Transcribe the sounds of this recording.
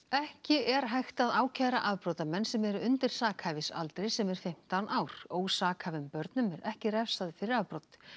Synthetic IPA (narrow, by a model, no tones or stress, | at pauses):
ɛhcɪɛɾɦajxt̪aðaːwcʰajɾaʔaðpɾowt̪amɛnsɛmɛɾʏʏnt̪ɪɾ̥saːkhavɪsa̰lt̪ɾejsɛmɛɾ̥fɪm̥t̪awnʔaːwɾ̥oːwsaːkʰavʏmpœɾt̪nʏmɛɾɛhcɪrɛfsaðɪfɪɾɪɾavpɾowt̪